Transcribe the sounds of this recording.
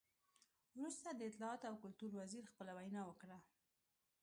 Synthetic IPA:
wɾust̪ad̪əɪt̪lɑɑt̪oawkʊlt̪uɾwaziɾxpəlawajnɑwəkɽa

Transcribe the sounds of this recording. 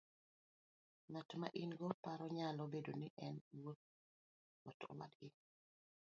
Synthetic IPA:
ŋatɔmaʔinɡɔpaɾɔɲalobedoniʔɛnwot̪̚ | ɔtɔ̰wa̰dɡɪ

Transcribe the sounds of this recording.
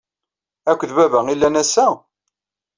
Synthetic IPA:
ækʷːðbævæilːænæsːæ

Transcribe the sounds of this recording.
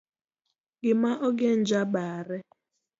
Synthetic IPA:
ɡɪmaʔoɡen̩d͡ʒabaːɾɪ

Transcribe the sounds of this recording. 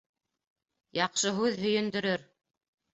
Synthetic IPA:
jɑqʃɤɦʉðɦɵ̆jɵ̆nd̪ɵ̆ɾɵɾ

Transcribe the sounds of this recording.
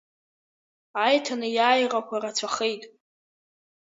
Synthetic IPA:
ajtʰanɨjaːjrakʷarat͡sʷʰaχejtʼ

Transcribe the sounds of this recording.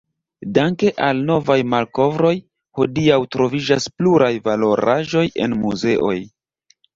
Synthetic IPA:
daŋke̞ʔalno̞vajmalko̞vɾo̞j | ho̞diawtɾo̞vid͡ʒaspluɾʔajvalo̞ɾaʒo̞je̞̰nmuze̞ʔo̞j

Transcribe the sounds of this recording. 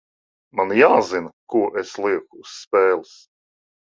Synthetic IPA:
manjaːzinkuɔʔeslˠiɛkuːsːpɛːlˠis

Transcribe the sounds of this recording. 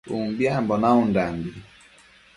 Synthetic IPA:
umbjambɔnaundambi

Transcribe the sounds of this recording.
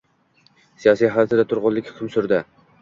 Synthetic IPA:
sijɒsijɦajɒt̪ʰad̪at̪ʰʊɾʁʊllːɪkʲhʊ̥kʲʰʊmsʊɾd̪ɪ

